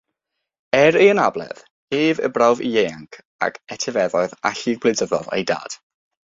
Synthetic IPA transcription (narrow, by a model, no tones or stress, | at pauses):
ɛɾejənablˠɛ̰ð̥ | eːvə̰brawvḭjeːaŋkʰ | a̰kɛtʰɛvɛðɔɨða̰ɬiɡ̚bledəðɔðḛjda̰ːd̥